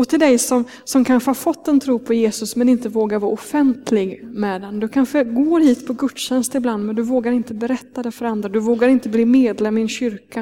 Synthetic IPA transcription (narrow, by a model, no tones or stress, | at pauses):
ɔt̪ʰɪld̪ɛjsɔm | sɔmkʰanɧəhɑɾfɔt̪ːɛnt̪ʰɾuːpʰɔjeːsɵsmɛnɪnt̪əvoːɡaɾvɑːɾɔfɛnt̪ʰlɪɡmɛd̪ɛnd̪ɵkʰanɧəɡoːɾhiːt̪pʰɔɡɵt̪ɕɛnst̪ɪbland̪mɛnd̪ɵvoːɡaɾɪnt̪əbɛɾɛt̪ːad̪ɛfœɾand̪ɾad̪ɵvoːɡaɾɪnt̪əbliːmeːd̪lɛmːɪɛnɕʏɾka